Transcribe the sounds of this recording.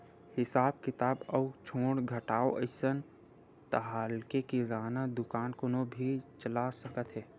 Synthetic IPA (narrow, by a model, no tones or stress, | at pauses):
hɪsaːb̚kɪt̪aːbɔʊt͡ʃʰoːɽɡʱəʈaːoʔəɪsən | t̪əɦaːlkekiɾaːnad̪ʊkaːnkʊnobʱit͡ʃəlasəkət̪ɦɛː